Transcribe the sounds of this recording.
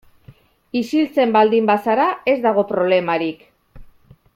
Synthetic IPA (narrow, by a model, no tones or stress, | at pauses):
isilt͡se̞mbald̪imbasaɾae̞zd̪aɣ̞o̞pɾo̞β̞le̞maɾik